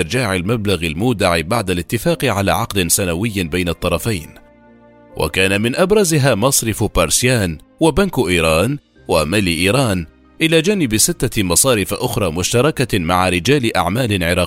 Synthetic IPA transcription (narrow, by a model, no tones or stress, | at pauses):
ɪɾd͡ʒaːʕalmablaɣalmuːd̪aʕɪbaʕd̪alɪt̪ːɪfaːqɪʕalaːʕɑqd̪ɪnsanawɪjːbajnat̪ˤːɑɾˤɑfajn | wʔa̰kaːnamɪnʔabɾˤɑzɪɦaːmɑsˤɾɪfbɑɾˤsjaːnwabankʔiːɾˤɑːn | wamaliʔiːɾˤɑːn | ʔɪlaːd͡ʒaːnɪbsɪt̪ːamɑsˤɑːɾɪfʔʊxɾˤɑːmʊʃt̪ɑɾˤɑkamaʕaɾɪd͡ʒaːlɪʔaʕmaːlɪʕɪɾˤɑː